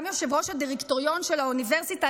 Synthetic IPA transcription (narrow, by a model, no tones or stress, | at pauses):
mjoʃevʁo̞ʃhadiʁektoʁijo̞nʃelauniveʁsita